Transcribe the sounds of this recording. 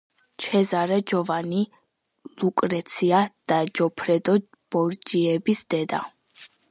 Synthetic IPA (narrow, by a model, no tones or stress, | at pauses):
t͡ʃʰɛzaɾɛd͡ʒɔvani | lukʼɾɛt̪sʰiad̪̥ad͡ʒɔpʰɾɛd̪ɔ | b̥ɔɾd͡ʒiɛbisd̪̥ɛd̪a